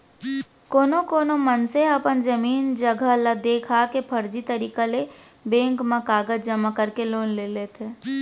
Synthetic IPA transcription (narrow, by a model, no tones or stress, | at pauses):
koːnokoːnomənseɐpənd͡ʒɐmiːnd͡ʒəɡʱəlad̪eːkʰakepʰɐɾd͡ʒit̪ɐɾiːkale | bẽːŋkmãkaːɡəd͡ʒd͡ʒɐmakəɾkeloːnleleːt̪ʰeː